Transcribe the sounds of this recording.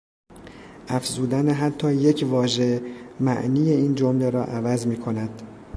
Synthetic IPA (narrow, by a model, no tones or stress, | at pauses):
ʔæfzuːd̪æneɦæt̪ʰːɒːjecʰvɒːʒemæ̰ʔniːjeiːnd͡ʒomleɾɒ̰ːʔævæzmiːkʰo̞næd̪̥